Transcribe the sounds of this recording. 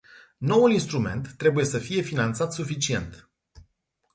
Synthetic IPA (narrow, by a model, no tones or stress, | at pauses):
no̞wulinst̪ɾume̞̰nt̪ːɾe̞buje̞səfije̞finant̪sat̪sufit͡ʃie̞̰nt̪